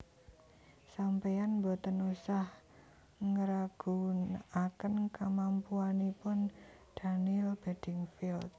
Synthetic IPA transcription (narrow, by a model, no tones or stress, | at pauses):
sampejanmbɔt̪ənusah | ŋəɾaɡ̥unakənkəmampuanipʊnd̪̥a̤nilb̥ed̪̥ɪŋfilt̪̚